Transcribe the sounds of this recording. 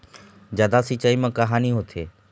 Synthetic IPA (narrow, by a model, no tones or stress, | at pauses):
d͡ʒjaːd̪asit͡ʃaimãkɐɦaːniɦot̪ʰḛː